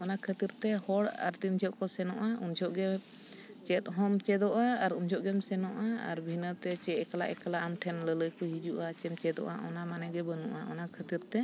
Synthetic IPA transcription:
ɔnakʰət̪iɾt̪ɛhɔɽa̰ɾt̪ind͡ʒʱɔʔkɔsɛnɔ̰ʔaʔund͡ʒʱɔʔɡɛ | t͡ʃɛt̪̚ɦɔmt͡ʃɛd̪ɔʔaːɾund͡ʒʰʱɔʔɡɛmsɛnɔʔaa̰ɾbʱinət̪ɛt͡ʃɛɛkala̰ʔɛkalaʔamʈʰɛnlələjkɔɦid͡ʒuʔat͡ʃɛmt͡ʃɛd̪ɔ̰ʔa̰ʔɔnamanɛɡɛbənuʔaʔɔnakʰət̪iɾt̪ɛ

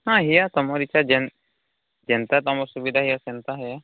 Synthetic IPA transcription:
hãɦijat̪ɔmɔɾit͡ʃʰad͡ʒɛn | d͡ʒɛnt̪at̪ɔmɔɾsubid̪ʱaɦijasɛnt̪aɦɛja

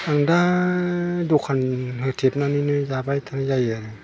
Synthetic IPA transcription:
aŋda | dukʰːanhɯt̪ʰip̚naninɯzaːbajt̪ʰanazajɯnɯ

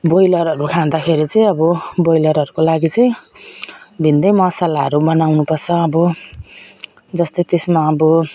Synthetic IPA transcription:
bojlʌɾʌɾukʰãd̪akʰeɾit͡sʌj̃ʌbʌbojlʌɾʌɾukolaɡit͡sʌj̃ | bʱind̪ʌjmʌsalaɦʌɾubʌnawnupʌrt͡sʰʌːbʌ | d͡zʌst̪ʌjt̪esmaʌbʌ

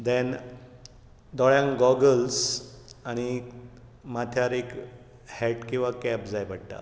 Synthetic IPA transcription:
d̪ɛ̃n | d̪ɔɭjãŋkɡɔɡəlsaɽ̃i | mat̪ʰjaɾek | hɛʈkĩw̃ʋakɛpd͡zajbʱaɽʈa̰

